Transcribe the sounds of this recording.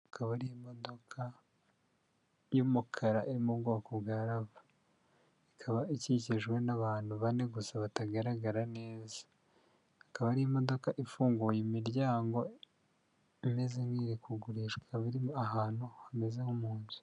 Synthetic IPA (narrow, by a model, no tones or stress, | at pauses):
akʰaβaɾijemo̞do̞kʰa | jumukʰaɾaʔiɾimubɡo̞ːkobɡaːɾaβḁ | ikʰaβaiciciʒɡwe̞naβaːnhuβane̞ɡusaβataɡaɾaɡaɾane̞ːzḁ | akaβaɾijemo̞do̞kaʔifuːŋɡujemiɾɟaːŋɡo̞ | ime̞zeŋiːɾikuɡuɾiʃaβiɾiaɦaːn̥huhame̞zehumuːnzu̥